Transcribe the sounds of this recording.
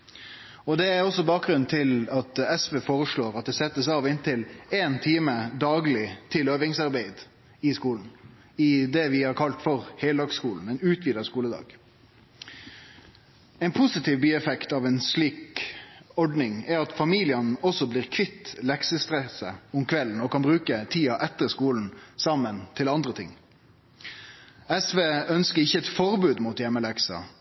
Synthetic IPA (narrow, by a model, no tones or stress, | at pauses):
ɔd̪ɛæɾɔsːɔbɑːk̚ɡɾʉnnt̪ʰɪlɑt̪ɛsʋeːfoːɾəʂɭoːɾɑt̪̚d̪ɛsɛt̪ːəsɑːʋɪnt̪ʰɪleːnt̪ʰiːməd̪ɑːɡlɪt̪ʰɪløːʋɪŋsɑɾbæɪd̪ | ɪskuːln̩ | ɪd̪ɛʋɪhɑɾkʰɑlt̪fɔɾhɛɪld̪ɑːɡskuːln̩ɛɪnʉːt̪ʰʋiːd̪əskuːləd̪ɑ̰ːɡ̥ | ɛɪnpʰʊsɪt̪ʰiːʋbyːɛfɛkt̪ɑːʋɛɪnsliːk | ɔɖnɪŋæɾɑt̪fɑmiːlɪɑnɔsɔbliːʁkʰʋɪt̪ːlɛksəst̪ʁɛsəʊmkʰʋɛln̩ɔkɑnbʁʉːkət̪ʰiːɑʔɛt̪ːəskuːln̩sɑmːənt̪ʰɪlɑnd̪ʁət̪ʰɪ̰ŋ | ɛsʋeːœnskəɪçːəɛt̪fɔʁbʉːd̪muːt̪jɛmːəlɛksə̰